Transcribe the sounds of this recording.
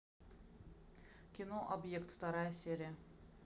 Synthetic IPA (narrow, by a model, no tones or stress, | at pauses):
kʲinoʔobʲjekt̪ft̪ɑɾɑjsʲeɾʲɛ